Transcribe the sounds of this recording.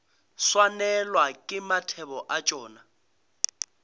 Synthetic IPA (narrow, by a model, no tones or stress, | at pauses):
swanɛlwakʼɪmatʰɛβɔʔat͡ʃʼɔːna